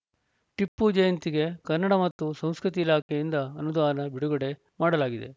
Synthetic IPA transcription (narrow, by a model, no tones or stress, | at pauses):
ʈipːud͡ʒɐjɐnt̪iɡe̞kɐnːɐɽɐmɐt̪ːusɐ̃w̃skɾut̪iːlaːkʰejind̪ɐːnud̪aːɐnɐbiɽuɡɐɽe̞ | maːɽɐlaːɡid̪e̞̰